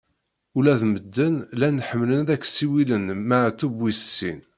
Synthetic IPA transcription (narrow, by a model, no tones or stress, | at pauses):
ʊlæðməd̪ːənlænħəmːlənðækːsiwilənmaʕt̪ːubwissːin